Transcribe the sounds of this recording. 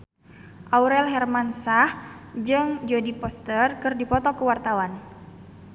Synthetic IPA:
ʔauɾɛlɦɛrmansahd͡ʒɨŋd͡ʒodipɔst̪ərkɨrdipɔt̪ɔkəwart̪awan

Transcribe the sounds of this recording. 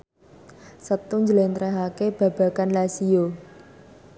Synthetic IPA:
sət̪uɲd͡ʒəlent̪ɾɛɦakeb̥a̤b̥ä̤kanlasio

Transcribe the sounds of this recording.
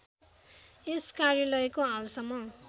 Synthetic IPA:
eskarjʌlʌekoalsʌmːʌ

